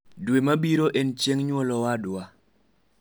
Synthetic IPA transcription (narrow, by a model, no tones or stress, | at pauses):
dwemabiɾoʔent͡ʃeŋɲwɔlɔwada